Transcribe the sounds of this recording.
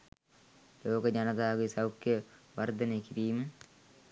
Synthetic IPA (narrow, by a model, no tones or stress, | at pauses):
loːkəd͡ʒɐnɐt̪aːɡisawkːjəʋɐrd̪ɐnekiɾiːmə